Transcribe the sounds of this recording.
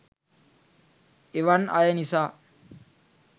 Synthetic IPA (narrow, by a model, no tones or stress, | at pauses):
eʋana̰jənisa